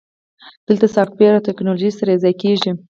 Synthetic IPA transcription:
d̪̥əlt̪asɑft̪̚beɾawt̪ɛknoloʒisaɾaɪzɑjkeʒi

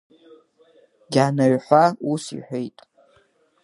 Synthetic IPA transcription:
ɡʲanaɥħʷausḭħʷejtʼ

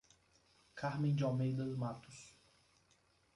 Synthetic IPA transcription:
kʰaɾmẽj̃d͡ʒɪawmejd̪ɐd̪mat̪ʊ̥s

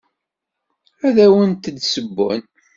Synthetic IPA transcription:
æðæwənt̪əd̪səbːʊ̰n

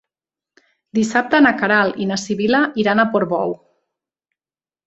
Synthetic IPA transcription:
d̪isap̚t̪anakaɾalinasiβilaʔiɾanapoɾβɔw

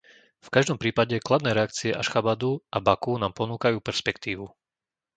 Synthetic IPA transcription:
fkaʒd̪ɔmpɾiːpaɟɛklad̪nɛːɾɛakt͡siɛʔaʃxabad̪uʔabakunaːmpɔnuːkajuːpɛɾspɛkt̪iːʋu

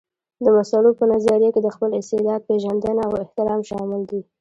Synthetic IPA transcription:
d̪əmasalopənazɑɾijaked̪əxpəlɪst̪ɪd̪ɑd̪̚peʒand̪ənaawɪht̪ɪɾɑmʃɑmɪld̪i

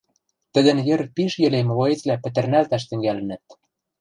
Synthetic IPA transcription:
t̪ə̆d̪ə̆njĕɾ̆t̪̚piʃjɘ̆lemloet͡slæpɘ̆t̪ɘ̆rnælt̪æʃt̪ɘ̆ŋɡælɘ̆nɘ̆t̪̚

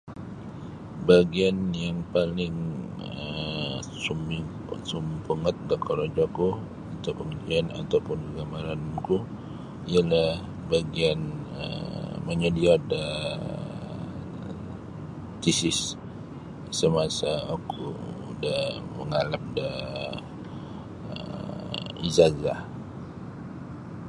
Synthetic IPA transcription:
baɡianjaŋpalɪŋə | sumi | sumpəŋət̪̚dakʰɔɾod͡ʒɔku | at̪apəŋəd͡ʒiana̰t̪awpʊnkəɡamaɾanku | ialah | baɡian | ə̰məɲədiɔdə | t̪isɪs | əmasaakʰṵdəhmə̰ŋalap̚də | ə̰ | ḭzazah

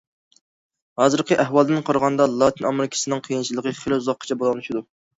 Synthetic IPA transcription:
hɑzɨɾqəʔæhwɑlˠd̪ɨnqʰɑɾəʁɑnd̪ɑlˠɑt̪ʰɨnɑmeɾɪkʲʰɪ̥sɨnɨŋqʰijint͡ʃʰilˠəqəχelɪuzɑqʰːə̥t͡ʃʰɛbolˠɑnuʃid̪u

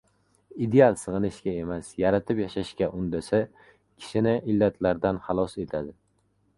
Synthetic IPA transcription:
id̪ealˠsɨʁɨnɪʃkʲae̞masjaɾat̪ʰɪpjaʃaʃkʲaʔʊnd̪asa | kʲʰɪ̥ʃɪnɪʔɪlːat̪ʰlaɾd̪anχɑlˠɒse̞t̪ʰad̪ɪ

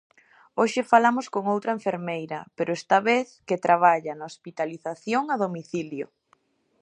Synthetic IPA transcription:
oʃɪfalamʊskoŋowt̪ɾɐeɱfeɾmejɾɐpeɾʔʊest̪aβeθket̪ɾʔaβ̞aʎɐnɐospit̪aliθaθjoŋaðomiθiljo̰

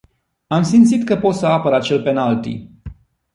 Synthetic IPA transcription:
amsimt̪sit̪kəpo̞t̪səapəɾat͡ʃe̞lpe̞nalt̪ḭ

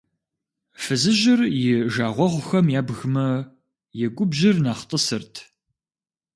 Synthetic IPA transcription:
fɨzɨʒɪrjɪʒaːʁʷɔʁʷxɐmjaːbɣmɐ | jɛɡʷʊbʒɪrnaːχtʼəsɨrtʰ

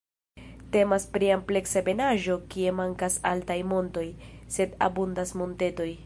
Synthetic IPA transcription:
te̞maspɾiample̞ksabe̞naʒo̞kie̞maŋkasaltajmo̞nto̞jse̞da̰bundasmo̞nte̞to̞j

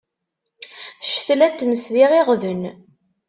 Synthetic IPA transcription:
ʃθlæt̪ːməsðiʁiʁðən

